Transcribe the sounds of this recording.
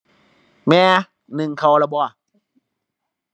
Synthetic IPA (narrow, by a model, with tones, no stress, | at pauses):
mɛː˧˦ | nɯ˨˩ŋkʰa˧˩wla˧˩bɔː˧˩˨